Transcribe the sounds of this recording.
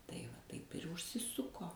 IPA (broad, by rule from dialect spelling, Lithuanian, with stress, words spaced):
tɐɪ ʋɐ ˈtɐɪp ɪr ʊʃʲsʲɪˈsʊkoː